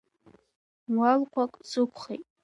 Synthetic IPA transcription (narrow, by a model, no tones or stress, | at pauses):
walqʷʰakʼsɨkʷʰχejtʼ